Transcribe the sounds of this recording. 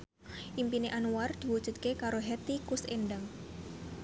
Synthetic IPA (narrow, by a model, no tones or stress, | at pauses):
ʔimpineʔanuward̪̥i̤wud̥ʒ̥ṳt̪̚kekaɾoɦɛt̪ikusenɖəŋ